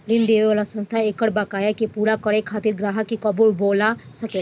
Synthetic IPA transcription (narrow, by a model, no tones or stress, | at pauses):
lɪnd̪eːʋeʋaːlasə̃nst̪ʰaekəɽbaːkaːjakepuːɾakəɽekʰaːt̪ɪɾɡɾaːɦəkːikəbuːlboːlasəkeː